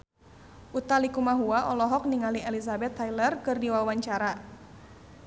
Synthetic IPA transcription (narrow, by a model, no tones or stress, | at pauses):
ʔut̪alikumaɦuaʔɔlɔɦɔk̚niŋaliʔɛlisabɛt̪ʰːajlərkɨrdiwawaɲt͡ʃaɾa